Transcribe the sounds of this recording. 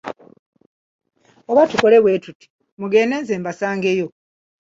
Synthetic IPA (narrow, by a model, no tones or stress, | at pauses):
oβatuko̞le̞βwe̞ːtuti̥ | muɡe̞ːneːnzeːmbasaːŋɡe̞jo̞